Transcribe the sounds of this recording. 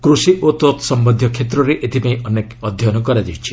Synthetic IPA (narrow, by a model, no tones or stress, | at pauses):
kɾusiʔot̪ot̪sɔmbɔnd̪ʱjɔkʰet̪ɾɔɾeʔet̪ʰipaĩʔɔnekɔd̪ʱjɔnɔkɔɾad͡ʒiwt͡ʃʰi̥